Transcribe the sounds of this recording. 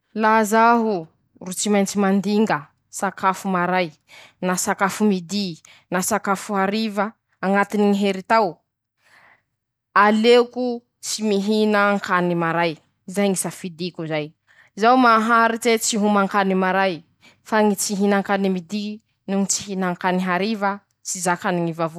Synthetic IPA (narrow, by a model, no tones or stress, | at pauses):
lazaɦu | rut͡simajnt͡simand̪iŋɡə | sakafumaɾaj | nasakafumid̪i | nasakafuaɾivə | aŋat̪iniŋiɦeɾit̪aw | aleku | t͡simiɦinəŋkanimaɾaj | zajŋisafid̪ikuzaj | zawmaɦaɾitet͡siɦumaŋkanimaɾaj | faŋit͡siɦinaŋkanimid̪i | nuŋit͡si̥ɦinaŋkaniɦaɾivə | t͡sizakaniŋivavo